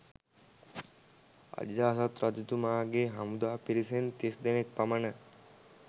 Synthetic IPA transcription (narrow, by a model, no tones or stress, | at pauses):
a̰d͡ʒaːsat̪ɾɐd͡ʒd̪umaːɡeɦɐmud̪aːpiɾis̬ent̪esd̪enek̚pamanɐ